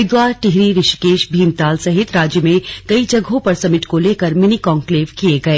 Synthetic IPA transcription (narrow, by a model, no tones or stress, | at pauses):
ɪd̪waːɾʈɪɦɾiɾɪʃkeːʃbʱiːmt̪aːlsɐɦɪt̪ɾaːd͡ʒjəmẽkɐid͡ʒɐɡʱõpɐɾsɐmɪʈkoleːkɐɾmɪnikɔːŋkleːʋkieɡɐeː